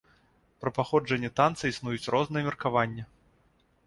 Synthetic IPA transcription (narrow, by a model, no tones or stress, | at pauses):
pɾɐpaxɔd͡ʐɐnʲːɛt̪ant̪sɨisnujut͡sʲrʔɔznɨjɛmʲɛrkavanʲːɛ